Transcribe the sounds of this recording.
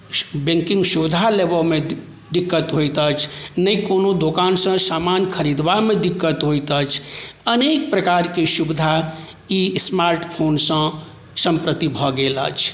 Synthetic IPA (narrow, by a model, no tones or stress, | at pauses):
bẽŋkĩŋɡʃubd̪ʱalebəlmẽ | d̪ikːət̪ɦojt̪ət͡ʃʰnəikonod̪okaːnsə̃saːmanjkʰəɾid̪ʋamẽd̪ikːət̪ɦojt̪ət͡ʃʰənek̚pɾəkaɾkeʃubd̪ʱa | ismaɾʈpʰoːnsə̃ | sə̃mpɾət̪ibʱɔɡelə̰t͡ʃʰ